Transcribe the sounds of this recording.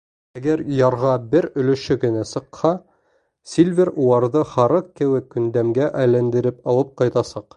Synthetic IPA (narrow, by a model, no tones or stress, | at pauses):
æɡæɾjɑɾʁɑbɘɾɵ̆lɵ̆ʃɵkɘ̆næsɤ̆qhɑ | sʲilʲvʲeɾulˠɑɾðɤχɑɾɤqkɘ̆wɘkːɵ̆nd̪æmɡæʔæjlænd̪ɘ̆ɾɘpɑlˠɤp̚qɑjt̪ɑsɑq